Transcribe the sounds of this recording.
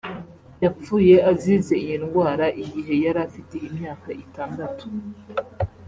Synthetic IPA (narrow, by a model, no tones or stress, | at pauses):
jap͡fuːje̞ʔaziːze̞ijinɡwaːɾaʔiɡiɦe̞jaɾafiteimɲaːkaʔitaːndatu̥